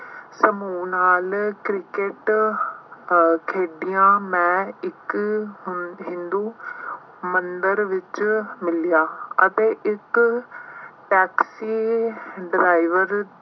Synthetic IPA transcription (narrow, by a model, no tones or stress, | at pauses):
səmuːnaːlkɾɪkeʈ | kʰeːɖijãːmɛ̃ːɪk | ɦɪ̃nd̪uː | mənd̪əɾʋɪt͡ʃmɪlijaːət̪eːʔɪk | ʈɛːksiːɖɪɾaːiʋəɾ